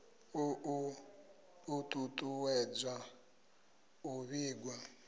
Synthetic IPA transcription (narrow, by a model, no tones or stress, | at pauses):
uʔu | utʼutʼuwɛd͡zʷa | uβiːɡwa